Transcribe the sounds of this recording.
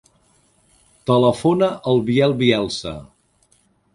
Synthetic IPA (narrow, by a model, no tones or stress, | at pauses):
t̪ələfonəʔəlˠβiɛlˠβiɛlˠsə̰